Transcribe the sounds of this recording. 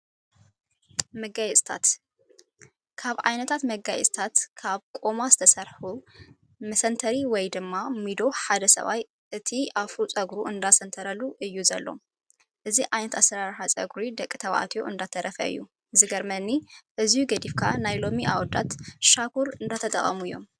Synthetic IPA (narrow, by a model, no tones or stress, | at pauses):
mɐɡajɛt͡sʼt̪ʰa̰t̪ | kʰaβʕajnɐt̪ʰat̪mɐɡajɛ̰t͡sʼt̪ʰat̪kʰaβkʼo̞mazɨt̪ʰɐsɐɾħu | mɐsɐnt̪ʰɐɾiwɔjd̪ɨmːamid̪o̞ħad̪ɐsɐ̰βa̰j | ʔɨt̪ʰiafut͡sʼɐɡɾuɨnd̪asɐnt̪ʰɐɾɐluʔɨjːuzɐlːo̞̰ | ʔɨziʔʕajnɐt̪asɐɾaɾħat͡sʼɐ̰ɡɾid̪ɐkʼːɨt̪ʰɐβʔa̰t̪ʰijoʔɨnd̪at̪ʰːɐɾʔɐfɐɨ̰jːu | ɨzɨɡɐɾmɐnːiʔɨzijuɡɐd̪ifkʰanajlo̞miʔawɔd̪a̰t̪ʃakʰuɾɨnd̪at̪ʰɐt̪ʼɐ̰χʼɐ̰mujːo̞̰m